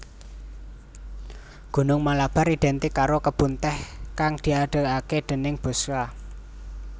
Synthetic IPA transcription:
ɡ̥ṳnʊŋmalab̥a̤ɾid̪̥ɛ̤nt̪ikaɾokəb̥unt̪ɛhkaŋd̪̥iaɖ̪̥ə̤aked̪̥ə̤nɪŋb̥o̤ska

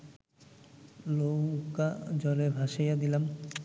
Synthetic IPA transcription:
lokad͡ʑɔlebʱaʃejad̪ilam

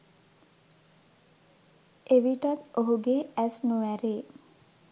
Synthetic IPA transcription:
eʋiʈɐt̪oɦuɡeʔæsnuʋæɾeː

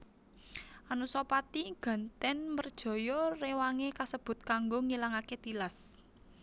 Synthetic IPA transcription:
ʔanusɔpat̪iɡ̥a̤nt̪ɛnmərd̥ʒ̥ɔ̤jɔrewaŋekasəb̥ʊ̤t̪̚kaŋɡoŋilaŋaket̪ilas

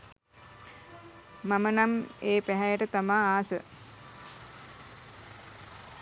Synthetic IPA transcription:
mamənameːpæɦɛjəʈət̪amaːaːsə

